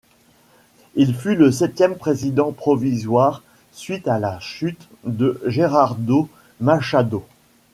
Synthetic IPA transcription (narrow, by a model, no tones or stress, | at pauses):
ilfyləsɛt̪jɛmpχezid̪ɑ̃pχɔvizwaːʁ | sɥit̪alaʃyt̪ | d̪əʒeʁaʁd̪o | maʃad̪o